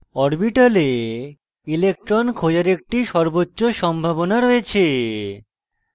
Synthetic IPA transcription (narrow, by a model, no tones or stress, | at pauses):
ɔɾbiʈale | ilek̚ʈɾonkʰod͡ʑaɾek̚ʈiʃɔɾbotːɕoʃɔmbʱabonaɾoet͡ɕʰe